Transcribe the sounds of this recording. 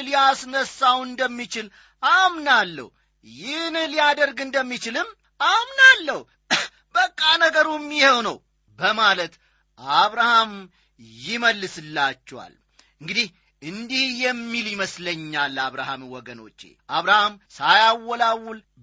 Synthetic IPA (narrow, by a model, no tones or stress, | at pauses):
lijasnəsːawɨnd̪əmːit͡ʃɪl | amnalːə̰h | jɪhnlijad̪əɾɡɨnd̪əmːit͡ʃɪlɨmː | amnalːəh | bəkʼːanəɡəɾumːihewnəw | bəmalət̪ | ʔaβɾaham | jɪməlːɨsɨlːat͡ʃːɛwa̰l | ɨŋɡɨd̪ih | ɨnd̪ihjɛmːiljɪməsləɲːalːaβɾahamwɔɡəno̞̰t͡ʃːḛʔaβɾahamsajawːɔlawːul